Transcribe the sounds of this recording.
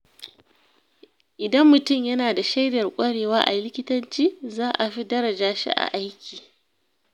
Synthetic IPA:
ʔɪ˨dɐ˦mːʊ˨tʊ˦mjɐ˦naː˨da˨ʃɐ˦ɽjɐ˨rkʷʼɐ˦ɽeː˨waː˦ʔa˨lɪ˦kʲɪ˦tɐ˦nt͡ʃiː˦zaː˦ʔa˨ɸi˦dɐ˦ɾɐ˨d͡ʒaː˦ʃḭ˦ʔa̰˨ʔa˦jkʲʰiː˨

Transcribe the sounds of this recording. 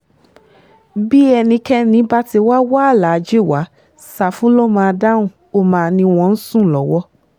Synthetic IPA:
bi˦ɛ˧nĩ˧kɛ˦nĩ˨˦ba˦ti˧wa˦wa˦˨la˨˦d͡ʒe˦˨wa˨˦ | sa˨fũ˦lo˦˨mãː˧da˦ũ˦˨ | o˦˨mãː˨˧nĩ˧w̃ɔ̃˧n̩˦sũ˦˨lɔ˨wɔ˦

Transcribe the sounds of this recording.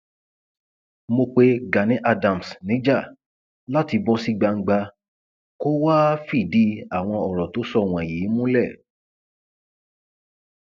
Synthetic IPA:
mo˧k͡pe˧˦ɡa˨nĩ˨˦ʔa˧da˨m̩˨snĩ˨˦d͡ʒa˦˨ | la˦ti˧bɔ˦si˦ɡ͡ba˧ŋ̩˧ɡ͡ba˧ | ko˦waː˦fi˦˨di˦a˨w̃ɔ̃˧ɔ˨ɾɔ˨to˨˦sɔ˦˨w̃ã˨jiː˨˦mũ˦lɛ˦˨

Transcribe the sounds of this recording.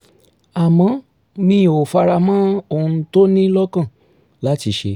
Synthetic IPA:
a˨mã˨˦ | mĩ˧˨o˨fa˧ɾa˧mãː˦o˧˨ũ˧˦to˦nĩ˦lɔ˦kã˦˨ | la˦ti˧˦ʃḛ˧

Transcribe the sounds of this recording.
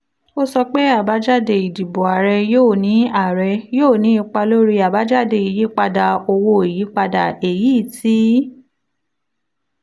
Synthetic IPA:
o˦sɔ˧k͡pe˦a˦˨ba˨˦d͡ʒa˦˨de˨i˨di˨bo˨a˨ɾɛ˧joː˦˨nĩ˨˦a˦˨ɾɛ˧joː˦˨nĩ˨˦i˧k͡pa˧lo˦ɾi˧a˨ba˨˦d͡ʒa˦˨de˨i˨ji˨˦k͡pa˧da˨o˧wo˧e˨ji˨˦k͡pa˧da̰˨e˨ji˨˦i˦˨ti˦

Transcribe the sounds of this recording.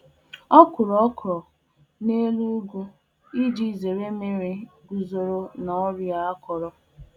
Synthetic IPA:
ɔ˦kʊ˨ɾɔ˦kɔ˨ | ne˦ɾu˦ɡu˦ | i˦d͡ʒi˦˨ze˨ɾe˦me˦ɾi˨ɡu˨zo˦ɾo˦nɔ˦ɔ˦ɾi˨a˦a˦kɔ˨ɾɔ˦

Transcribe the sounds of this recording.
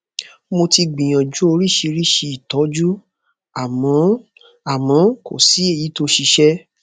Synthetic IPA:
mo˧ti˧ɡ͡bĩ˨j̃ɔ̃˨d͡ʒu˨˦o˧ɾi˦˨ʃi˧ɾi˦˨ʃi˧i˨tɔ˨˦d͡ʒu˦ | a˨mɔ̃˨˦ | a˨mɔ̃˨˦ko̰˨si˨˦e˦˨ji˨˦to˧ʃi˧ʃɛ˦

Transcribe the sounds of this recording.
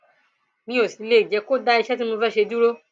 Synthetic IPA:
nĩ˦o˦˨si˨˧le˦i˨d͡ʒɛ˧ko˦da˦i˧ʃɛ˦t̬i˦mõ˧fɛ˦ʃe˧du˦ɾo˦

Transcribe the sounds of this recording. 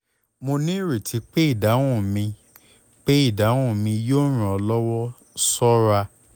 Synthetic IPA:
mo˧nĩ˦ɾi˨tʰi˨˦k͡pe˦i˦˨dã˨˦ɔ̃˦˨mĩ˧ | k͡pe˦i˦˨da˨˦w̃ɔ̃˦˨mĩ˧jõː˦˨˦ɔ˨˧lɔ˦wɔ˦ | sɔ˦ɾa˧

